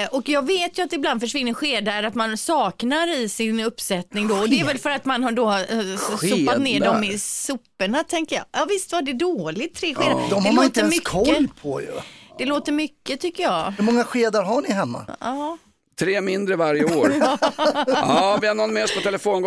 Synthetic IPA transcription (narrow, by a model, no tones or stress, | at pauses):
ʔɔkjɑːɡveːt̪jɵat̪d̪ɛɪbland̪fœʂvɪnːəɧeːd̪aɾat̪mansɑːknaɾɪsɪnɵpːsɛt̪nɪŋd̪ɔɔd̪ɛɛɾvɛlfœɾat̪manhaɖɔɧsʊpːat̪neːɖɔmɪsʊpːəɳat̪ʰɛŋkəjɑ̰ːʔɑːvɪst̪vaɖɛd̪oːlɪt̪ʰːɾeːɧeːd̪ad̪ɔmɛloːt̪əmʏkʰɔːəpʰɔ̰j̰d̪̥ɛloːt̪əɾmʏkːət̪ʰʏkːəjɑːhɵmɔŋːaɧeːd̪aɾɦaɳɪɦɛmːa̰ɑː | t̪ʰɾeːmɪnd̪ɾəvaɾjəoːɾ | ɑːvɪhanɔnmɛɔspʰɔt̪ʰɛləfoːn